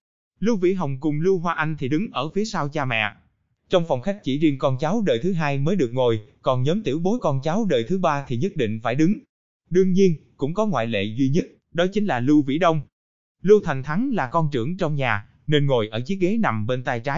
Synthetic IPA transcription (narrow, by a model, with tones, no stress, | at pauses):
lu˧vḭ˧˥ɦə˨˩wŋ͡mkʊ˨˩ŋ͡mlu˧ɦwaː˧ʔa˧jŋ̟t̪ʰi˨˩ɗɨ˨˦ŋʔəː˧˩fi˨˦əsaː˧wt͡ɕaː˧mɛ̰˧˨ | t͡ɕɔ˧wŋ͡mfɔ˨˩wŋ͡mxa˦˥jk̟̚t͡ɕḭ˧˩zi˧ənkɔ˧nt͡ɕa˨˦wɗəː˨˩jt̪ʰɨ˨˦ɦaː˧jməː˨˦jɗɨ˨˩ək̚ŋo˨˩jkɔ˨˩nɲəː˨˦mt̪i˧˩əwɓo˨˦jkɔ˧nt͡ɕa˨˦wɗəː˨˩jt̪ʰɨ˨˦ɓaː˧t̪ʰi˨˩ɲə˦˥t̚ɗḭ̈˧˨ŋ̟faː˧˩jɗɨ˨˦ŋ | ɗɨ˧əŋɲi˧ənkʊ̰˧˥ŋ͡mkɔ˨˦ŋwa̰ː˧˨jlḛ˧˨zwi˧ɲə˦˥t̚ | ɗɔ˨˦t͡ɕï˨˦ŋ̟laː˨˩lu˧vḭ˧˥ɗə˧wŋ͡m | lu˧wt̪ʰa˨˩ŋ̟t̪ʰa˨˦ŋlaː˨˩kɔ˧nt͡ɕɨ˧˩əŋt͡ɕɔ˧wŋ͡mɲaː˨˩ | ne˧nŋo˨˩jʔəː˧˩t͡ɕi˨˦˥əɣe˨˦na˨˩mɓe˧nt̪aː˧jt͡ɕaː˨˦